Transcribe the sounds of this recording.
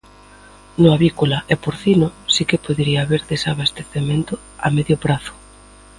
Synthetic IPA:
nʊaβikolaʔɛpoɾθinosikepoðeɾiaβeɾðesaβast̪eθemẽnt̪ʊ | a̰meðjʊpɾaθʊ̥

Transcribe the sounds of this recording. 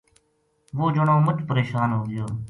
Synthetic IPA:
ʋoːd͡ʒəɳõːmʊt͡ʃpəɾeːʃaːnɦoːɡɪjoː

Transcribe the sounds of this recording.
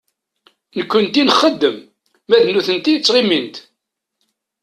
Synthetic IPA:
nəkʷːʊnt̪inχəd̪ːəmː | æðnuθənt̪ijət͡sːʁimint̪

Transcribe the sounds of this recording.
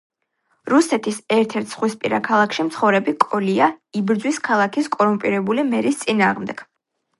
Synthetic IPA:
ɾusɛt̪ʰisɛɾt̪ʰɛɾt̪ʰsχwispʼiɾakʰalˠakʰʃimt̪sʰχɔvɾɛbikʼɔliaibɾd̪zwiskʰalˠakʰiskʼɔɾumpʼiɾɛbulimɛɾist̪sʼinaːʁmd̪ɛɡ̥

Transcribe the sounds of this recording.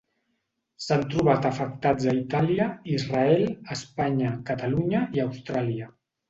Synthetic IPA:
sant̪ɾuβat̪əfək̚t̪ad͡zəit̪aliəizraɛləspaɲəkət̪aluɲəiəwst̪ɾaliə

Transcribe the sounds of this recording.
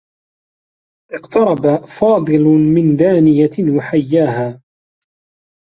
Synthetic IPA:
ʔɪqt̪ʰɑɾˤɑbafɑːd̪ˤɨlmɪnd̪aːnɪjawaħajːaːhaː

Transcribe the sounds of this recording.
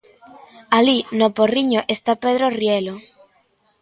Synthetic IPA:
alinoporiɲoʔest̪apeðɾorjelo

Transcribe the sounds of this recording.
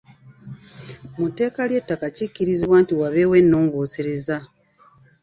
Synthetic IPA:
mute̞ːkalje̞tːakacicːiɾiziβwaːntiwaβe̞ːwe̞nːo̞ːŋɡoːse̞ɾeza

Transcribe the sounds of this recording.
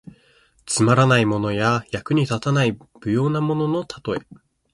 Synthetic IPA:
t͡sɨmaɾanaimo̞no̞jajakɯ̟ɲ̟it̪at̪anaib̥ɯ̟jo̞ːnamo̞no̞no̞t̪ʰḁt̪o̞e

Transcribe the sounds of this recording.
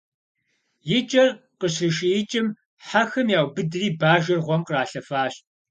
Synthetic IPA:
jɪt͡ʃʼɐrqəɕrɨʃɪjɪt͡ʃʼɪm | ħaxɐmjaːwbɨdriːbaːʒɐrʁʷɔmqəraːɬɐfaːɕ

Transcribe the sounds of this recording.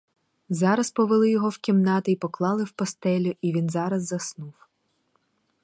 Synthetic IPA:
zɑɾɐspɔʋelˠɪjɔɦɔwkʲimnɑt̪ɪipɔklˠɑlˠɪwpɔst̪ɛlʲʊʔiʋʲinzɑɾɐzːɐsnuw

